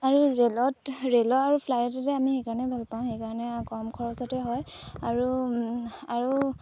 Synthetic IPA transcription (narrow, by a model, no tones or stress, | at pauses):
aɹuɹelɔtɹelɔaɹupʰlajɔtatɛamixejkaɹɔnɛbʱalpaʊ̃xejkaɹɔnɛkɔmkʰɔɹɔsɔtɛɦɔjaɹu | aɹu